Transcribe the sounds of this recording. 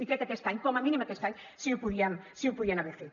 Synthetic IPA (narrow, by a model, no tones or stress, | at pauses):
ikɾekakest̪aɲkomɐmĩnĩmakesaɲ | siupuðiaŋsiuwpuðianaβeɾfe